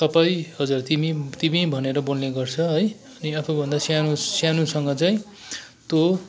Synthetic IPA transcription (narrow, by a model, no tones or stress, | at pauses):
tʌpajhʌd͡zurt̪imit̪imibʱʌneɾʌbolneɡʌrt͡sʰʌɦʌj | ʌniapʰubʱʌnd̪asjanusjanusʌŋɡʌt͡saĩ | t̪o